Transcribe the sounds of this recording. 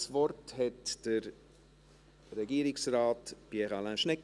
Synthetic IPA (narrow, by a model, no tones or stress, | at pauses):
svɔrthɛtd̥əɾ | rɛɡiːɾɪksraːtpiɛʁalãnʃnɛk